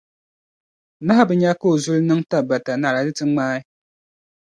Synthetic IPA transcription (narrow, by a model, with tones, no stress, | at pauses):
na˦ha˦bɨ˨ɲa˦koː˦˨zu˦lnɨ˦ŋta˦ba˨ta˨na˨ɾa˨dɨ˦tɨ˦ŋ͡maː˦ɪ˦